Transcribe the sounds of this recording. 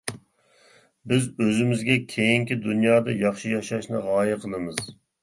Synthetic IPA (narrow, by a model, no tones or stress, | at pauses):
bɪzøzɪmɪzɡʲɛkʲʰejiŋkʲid̪unjɑːd̪ɑjɑχʃijɑʃɑʃnɨʁɑːjɨqʰəlˠɨmɨz̥